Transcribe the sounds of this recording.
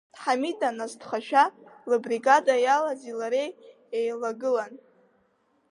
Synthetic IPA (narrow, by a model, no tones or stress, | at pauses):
d̥ħamidʼanastχaʃᶣalɨbriɡadajalazilaɾej | ejlaɡɨlan